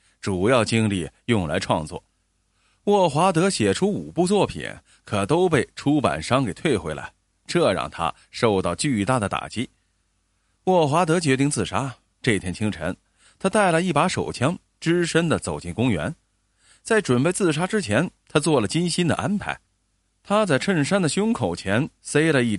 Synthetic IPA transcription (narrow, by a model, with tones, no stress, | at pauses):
ʈ͡ʂu˨˩jɑ˥˩ʊt͡ɕi˥ŋli˥˩jʊ˥˩ŋla̰˧˥ɪʈ͡ʂʰwɑ̰˥˧ŋt͡swɔ̰˥˩ | wɔ˥˩xwa˧˥t̪̬ɤ˧˥ɕjɛ˨˩ʈ͡ʂʰu˥u˨˩pu˥˧t͡swɔ˥˩pʰḭ˨˩˦n | kʰɤ˨˩t̪o˥ʊpe˥˩ɪʈ͡ʂʰu˥pa̰˨˩nʂɑ˥ŋke˨˩ɪt̪ʰwe˥˩ɪxwe˧˥ɪla̰˧˥ɪ | ʈ͡ʂɤ˥˧ɻɑ̰˥˧˩ŋt̪ʰa̰˥ | ʂo˥˧ʊt̪ɑ˥˩ʊt͡ɕy˥˧t̪a˥˩d̪ə˩t̪a̰˨˩t͡ɕi˥ | wɔ˥˩xwa˧˥t̪ɤ˧˥t͡ɕɥɛ˧˥t̪̬i˥˧ŋt͡sɹ̩˥˩ʂa˥ | ʈ͡ʂɤ˥˩t̪ʰjɛ˧˥nt͡ɕʰi˥ŋʈ͡ʂʰə̰˧˥n | t̪ʰa˥t̪a˥˩ɪli˥˩pa˧˥ʂo̰˨˩ʊt͡ɕʰjɑ˥ŋ | ʈ͡ʂɻ̩˥ʂə˥nd̪ə˨t͡so˨˩ʊt͡ɕi˥˩ŋkʊ˥ŋɥɛ̰˧˥n | t͡sa˥˩ɪʈ͡ʂwə˨˩npe˥˧ɪt͡sɹ̩˥˩ʂa˥ʈ͡ʂɻ̩˥t͡ɕʰjɛ˧˥nt̪ʰa˥t͡swɔ˥˩lə˩t͡ɕi˥nɕi˥nd̪ə̰˨ʔa˥npʰa˧˥ɪ | t̪ʰa˥t͡sa˥˧ɪʈ͡ʂʰə˥˩nʂa˥nd̪ə˨ɕjʊ˥ŋkʰo˨˩ʊt͡ɕʰjɛ˧˥nse˥ɪlə˨˧i˥˩